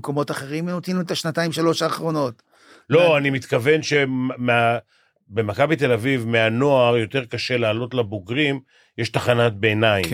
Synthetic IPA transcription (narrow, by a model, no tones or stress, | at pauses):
ko̞mo̞taχeʁimenot̪inuet̪aʃnataimʃalo̞ʃaːχʁo̞no̞t | lo̞animit̪kave̞nʃe̞mmea | be̞makabit̪e̞lavivmeano̞ajo̞t̪e̞ʁkaʃe̞laːlo̞tlaboɡʁim | jeʃt̪aχanat̚beːnaim